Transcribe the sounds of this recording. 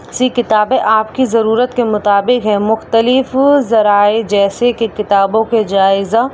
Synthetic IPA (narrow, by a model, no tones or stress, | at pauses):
sikɪt̪aːbẽʔaːpkizɐɾuːɾət̪kemʊt̪aːbɪkɦɛmʊxt̪əlɪfzɐɾaːed͡ʒɛːsekekɪt̪aːbõked͡ʒaːɪza